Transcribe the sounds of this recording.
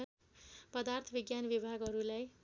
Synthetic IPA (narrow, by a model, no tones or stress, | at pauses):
pʌd̪art̪ʰʌbiɡjanbibʱaɡɦʌɾulaj